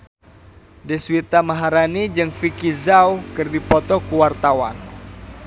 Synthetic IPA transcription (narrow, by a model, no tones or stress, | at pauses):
dɛswit̪amaɦaɾanid͡ʒɨŋfikizawkɨrdipɔt̪ɔkuwart̪awa̰n